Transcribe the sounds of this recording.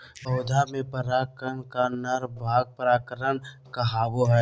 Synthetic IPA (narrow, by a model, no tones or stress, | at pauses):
ɔʊd̪ʱamẽpəɾaːkənkanəɾbʱaːɡ̚pəɾaːkəɾən | kaɦaːʋoɦɛː